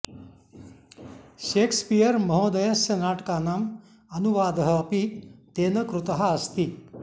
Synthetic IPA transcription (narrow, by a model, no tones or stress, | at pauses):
ʃeːkspijɐɾmɐɦõːd̪ɐjɐsjɐnaːʈkaːnam | ɐnuʋaːd̪ɐɦɐːpit̪eːnɐkɾut̪ɐɦɐɐst̪i